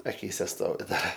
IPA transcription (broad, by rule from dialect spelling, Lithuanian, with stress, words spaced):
ɐˈkʲiːsʲɛ ˈstoːʋʲɪ ˈdɐr